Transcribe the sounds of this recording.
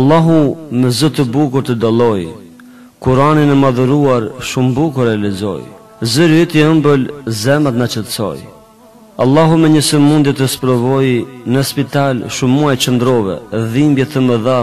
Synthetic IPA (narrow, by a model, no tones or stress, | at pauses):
alˠːaɦumɛzət̪əbukuɾt̪əd̪alˠɔj | kuɾaninɛmaðuɾuaɾʃumbukuɾɛalizɔ̰j | zəɾyt̪iəmbəlzɛmat̪nat͡ʃət̪sɔ̰j | alˠːaɦumɛɲəsəmund̪jɛt̪əspɾɔvɔjnəspit̪alʃumːuajt͡ʃənd̪ɾɔvɛ̰ðimbjɛt̪əməða